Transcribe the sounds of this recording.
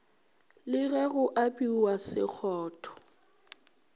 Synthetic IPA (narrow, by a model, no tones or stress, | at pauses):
lɪɣɛɣʊʔapʼiwasɪ̰k͡xʰɔːtʰɔ̥